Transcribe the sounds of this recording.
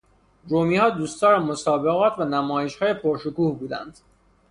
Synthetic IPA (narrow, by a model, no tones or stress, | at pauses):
ɾomiːhɒːd̪uːst̪ɒːɾæmo̞sɒːbeɣɒːt̪ʰvænæmɒːjeʃhɒːjepʰoɾʃokuːhbuːd̪æ̰nd̪̥